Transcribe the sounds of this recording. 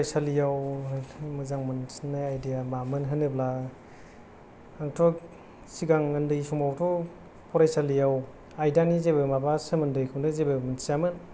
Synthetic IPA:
pɾajsalijaw | mɯzaŋmɯnsnːajajdijamamɯnɦɯnːɯbla | aŋtʰɔk | siɡaŋɯndɯjsuŋawtʰɔ | pʰɔɾajsalijaw | ajdanizebɯmabasɯmɯndɯjkʰɯwnɯzebɯmɯnsiamɯn

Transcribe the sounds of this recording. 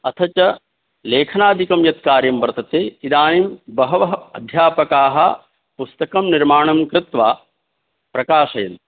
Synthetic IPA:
ɐt̪ʰɐt͡ʃɐ | leːkʰɐnaːd̪ʱikɐmjɐt̪kaːɾjɐmʋɐɾt̪ɐt̪eːid̪aːnimbɐɦɐʋɐɦɐɐd̪ʱjaːpɐkaːɦɐ | pust̪ɐkɐmniɾmaːɳɐmkɾɪt̪ʋaː | pɾɐkaːʃɐjɐn

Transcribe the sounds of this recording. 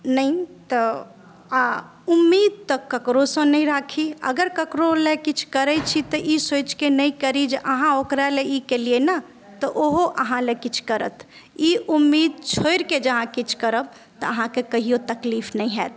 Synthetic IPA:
nəit̪ɔ | a | umːid̪̚t̪əkkːəkɾosə̃nəĩɾakʰiə̰ɡəɾkəkɾolekit͡ʃʰkəɾɛt͡ʃʰit̪ɔʔisot͡ʃkenəjkəɾid͡ʒeʔəɦãokɾaleikeliena | t̪ɔʔoɦoʔəɦãlekit͡ʃʰkəɾə̰t̪ʰ | iʔumːid̪̚t͡ʃʰojɾked͡ʒəɦãkit͡ʃʰkəɾəb̚ | t̪ɔəɦãkekəɦijot̪əklifnəĩɦɛt̪̚

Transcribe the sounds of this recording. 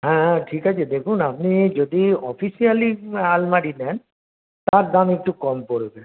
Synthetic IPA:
ɦɛ̃ʈʰikat͡ʃʰed̪ekʰunapnid͡ʒod̪iɔpʰisialialmaɽinɛn | t̪aɾd̪amek̚ʈukɔmkoɾbe

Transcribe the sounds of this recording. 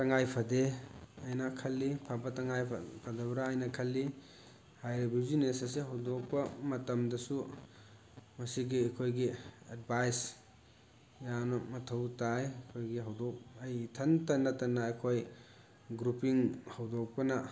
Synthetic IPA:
tɐŋajpʰɐdeɐjnakʰɐlːipʰɐbɐtɐŋajpʰɐdɐbɾaːjnɐkʰɐlːi | hajɾibizinesɐs̬iɦɐwdɔk̚pɐmɐtɐmdɐsu | mɐsiɡiɐjkʰojɡiɐd̚bʱajs | janɐmɐtʰɐwtajkʰojɡiɦɐwdɔk̚ɐjtʰɐntɐnːɐtɐnːɐːjkʰoj | ɡɾupiŋhɐwdɔk̚pɐnɐ

